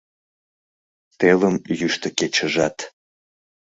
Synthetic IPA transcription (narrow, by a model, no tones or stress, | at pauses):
t̪eləmjyʃt̪əket͡ɕəʒɑt̪